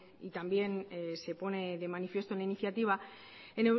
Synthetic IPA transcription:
it̪ambje̞nse̞po̞ne̞ðe̞manifje̞st̪oenainiθjat̪iβ̞a | ene

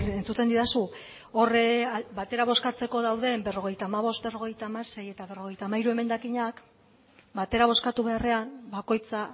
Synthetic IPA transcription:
e̞nt͡sut̪e̞nd̪iðasu | o̞rebat̪e̞ɾaβ̞o̞skat͡se̞ko̞ðawðe̞mbe̞ro̞ɣe̞jt̪aːmaβ̞o̞st̪̚be̞ro̞ɣ̞e̞jt̪amase̞je̞t̪aβ̞e̞ro̞ɣ̞e̞jt̪aːmaiɾue̞me̞nd̪akiɲak | bat̪e̞ɾaβ̞o̞skat̪uβe̞are̞ambako̞jt͡sa

